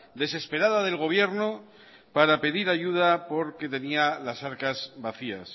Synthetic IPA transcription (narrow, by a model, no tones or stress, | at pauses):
d̪e̞se̞spe̞ɾaðaðe̞lɣ̞o̞β̞je̞ɾno | paɾape̞ðiɾaʝuð̞apo̞ɾke̞t̪e̞nialasaɾkazβaθia̰s